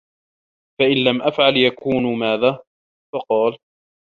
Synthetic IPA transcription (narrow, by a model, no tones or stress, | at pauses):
faʔɪnlamʔafʕaljakuːnmaːðaː | fɑqɑːl